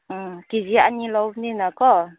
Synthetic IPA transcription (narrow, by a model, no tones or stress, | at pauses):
ɨkizia̰ɲiloninakɔ